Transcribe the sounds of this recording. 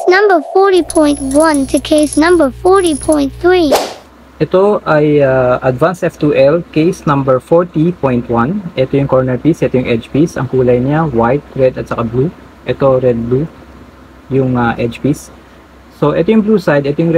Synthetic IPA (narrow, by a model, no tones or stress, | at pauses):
nɐ̃mbəfɔɾipʰɔ̃j̃ntwɐ̃ntʰɨkʰesnɐ̃mbəfɔɾipʰɔ̃j̃nθɹi | ʔɛt̪oʔɐjaʔɐd̪vansʔɛft̪uʔɛlkejsnɐ̃mbɛɹfɔɹt̪ipojnt̪wɐnʔɛt̪ojʊŋkoɹnɛɹpisʔɛt̪ojʊŋʔɛd͡ʒpisɐ̰ŋkuːlɐjɲawajt̪̚ɹɛd̪ɐt̪̚sɐkablu | ʔɛt̪o̞ɹɛd̪̚blu | jʊŋaʔɛd͡ʒpisː | oʔɛt̪ojʊŋbluːsajd̪ɛt̪ojʊŋ